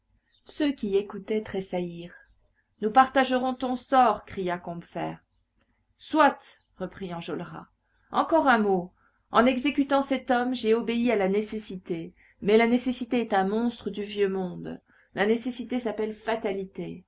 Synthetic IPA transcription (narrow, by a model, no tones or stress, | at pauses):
søkʲiekut̪ɛt̪χesaiːʁ | nupaʁt̪aʒəʁɔ̃t̪ɔ̃sɔʁkχijakɔ̃bfɛ̰ːʁ | swat̪ | ʁəpχiɑ̃ʒɔlʁa̰ | ɑ̃kɔʁɛ̃mo | ɑ̰̃nɛɡzekʲyt̪ɑ̃sɛt̪ɔmʒeobeialanesesit̪e | mɛlanesesit̪eɛt̪ɛ̃mɔ̃st̪χəd̪yvjømɔ̃d̪ | lanesesit̪esapɛlfat̪alit̪e